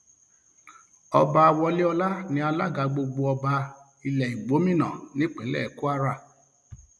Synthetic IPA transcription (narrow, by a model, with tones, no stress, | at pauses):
ɔ˧ba˧a˧wɔ˧li˦ɔ˧la˦nĩ˧˦a˧la˦ɡa˧ɡ͡bo˧ɡ͡bo˧ɔ˧ba˧ | i˧lɛ˨i˨ɡ͡bo˨˦mĩ˦˨nã̰˨nĩ˦k͡pe˨˦lɛ̰˦˨ku˦a˦ɾa˦˨